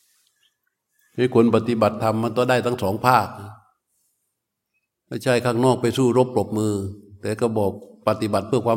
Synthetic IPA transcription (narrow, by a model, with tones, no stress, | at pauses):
ha˧˥˩jkʰo˧npa˧t̪i˧˦ba˨˩t̪ʰːa˧mːa˧˥nt̪ɔː˧˩daː˧˩jt̪ʰa˥˩ŋsɔː˩˦ŋpʰaː˥˩k̚ | ma˥˩jt͡ɕʰa˧˥˩jkʰaː˥˩ŋnɔː˥˩k̚pa˧jsuː˥˩ɾo˦˥˩p̚lo˨˩p̚mɯː˧t̪ɛː˨˩ka˧˩bɔː˨˩k̚pa˧t̪i˧ba˨t̪̚pʰɯ˥˩ɐkwaː˧